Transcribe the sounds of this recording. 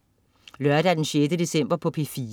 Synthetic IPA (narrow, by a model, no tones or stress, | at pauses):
lɶɐd̥ææɐd̥ensyedəd̥̪e̝sem̰b̥ɐpʰɔ̽pʰefiː